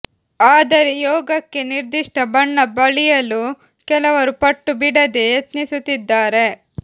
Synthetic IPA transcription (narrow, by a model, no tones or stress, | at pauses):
aːd̪ɐɾejɔːɡɐkːe̞niɾd̪iʂʈɐbɐɳːɐbɐɭijɐlu | kɛlɐʋɐɾupɐʈːubiɽɐd̪ejet̪nisut̪ːid̪ːaːɾe̞